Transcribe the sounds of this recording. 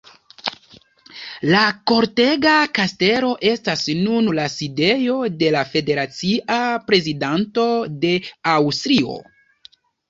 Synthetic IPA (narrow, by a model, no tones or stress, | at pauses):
lako̞ɾte̞ɡakaste̞ɾo̞ʔe̞stasnunlaside̞jo̞de̞lafe̞de̞ɾat͡siʔapɾe̞zidanto̞de̞awstɾio̞̰